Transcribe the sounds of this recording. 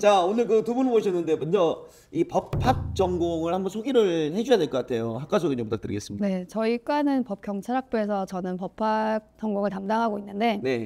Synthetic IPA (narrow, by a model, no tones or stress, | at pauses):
t͡ɕaonɯɭkɯtubunɯɭboɕʰʌnːɯndebʌnd͡ʑʌ | ipʌpʰːak̚t͡ɕ͈ʌŋɡoŋɯɭhambʌnsʰoɡiɾɯɭhe̞d͡ʑujadwe̞ɭk͈ʌk͈atʰe̞johak͈asʰoɡiɲʌpot͈at͈ɯɾḭɡes͈ɯmɲie̞t͡ɕʌik͈anɯnpʌp̚k͈jʌŋt͡ɕʰaɾɦak̚p͈oe̞sʰʌt͡ɕʌnɯnpʌpʰːak̚t͡ɕ͈ʌŋɡoŋɯɭtamdaŋɦaɡoinːɯnde̞ne̞